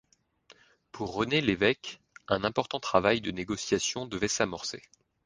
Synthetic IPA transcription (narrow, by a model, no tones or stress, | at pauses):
pʰuʁːənelevɛk | ɛ̃nɛ̃pɔʁt̪ɑ̃t̪χavajd̪əneɡɔsjasjɔ̃d̪əvɛsamɔʁse